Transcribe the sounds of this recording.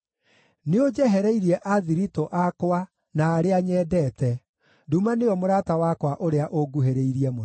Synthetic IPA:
neod͡ʒɛɦɛɾɛiɾiɛʔaðiɾitoʔakwa | naːɾeaɲɛːdɛːtɛ | dumaneɔmoɾaːtawakwaʔoɾeaʔoɡuɦeɾeiɾiɛmo

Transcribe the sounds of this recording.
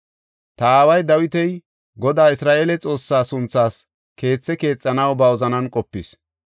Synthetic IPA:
t̪ɐaːwɐjd̪ɐwɪt̪ɛj | ɡɔd̪aːɪsɾaːʔeːlɛt͡sʼo̞ːsːaːsʊnt͡sːaːs | ke̞ːt͡sːɛke̞ːt͡sʼːɐnɐwbɐɔzɐnɐnkʼɔpːɪs

